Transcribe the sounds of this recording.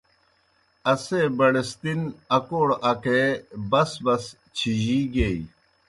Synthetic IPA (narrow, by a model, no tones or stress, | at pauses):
ɐseːbɐɽest̪inɐkoːɽɐkebɐsbɐs | t͡ɕʰiʑiːɡei